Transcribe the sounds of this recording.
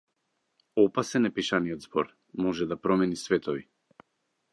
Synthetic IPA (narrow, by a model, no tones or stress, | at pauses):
ɔpasɛnɛpiʃaniɔd̪zbɔɾ | mɔʒɛd̪apɾɔmɛnisvɛt̪ɔvi